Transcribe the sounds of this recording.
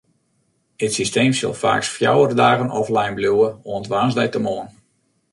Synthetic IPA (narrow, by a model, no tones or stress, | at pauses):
ətsisteːmsə̰lˠfa̰ːksfja̰wərdaːɣənʔɔflɛjnbluwəoəntʋaːnzdɛjtəmoən